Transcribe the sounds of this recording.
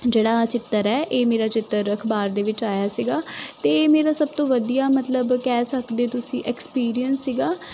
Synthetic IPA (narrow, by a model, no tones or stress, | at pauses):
d͡ʒeːɽaːt͡ʃɪt̪ːəɾɛːʔeːmeːɾaːt͡ʃɪt̪ːəɾəkʰbaːɾd̪eːʋɪt͡ʃaːjaːsiɡaːt̪eːmeːɾaːsəb̚t̪õːʋəd̪ijaːmət̪ləbkɛːsəkd̪eːt̪ʊsĩːʔɛkspiːɾijənsːiɡaː